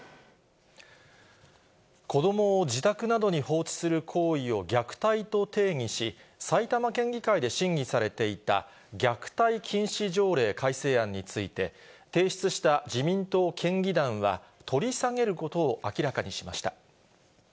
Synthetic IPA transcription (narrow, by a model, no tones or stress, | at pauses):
ko̞d̪o̞mo̞ːd͡ʑit̪akɯ̟nad̪o̞ɲ̟iho̞ːt͡ɕi̥sɨɾɯ̟kʰo̞ːio̞ɡʲakɯ̟̥t̪ait̪o̞t̪e̞ːɲ̟iɕisait̪amakẽ̞ŋɡʲikaid̪e̞ɕĩŋɡʲisaɾe̞t̪e̞it̪a̰ | ɡʲakɯ̟̥t̪aikʲʰĩɰ̃ɕiʑo̞ːɾe̞ːkʰaise̞ːãɲ̟ːit͡sɨit̪e̞ | t̪e̞ːɕi̥t͡sɨɕi̥t̪ad͡ʑimʲĩnt̪o̞ːkʰẽ̞ŋɡʲid̪ãɰ̃βa̰t̪ʰo̞ɾʲisaŋe̞ɾɯ̟ko̞t̪o̞ːʔakʲiɾakaɲ̟iɕimaɕi̥t̪a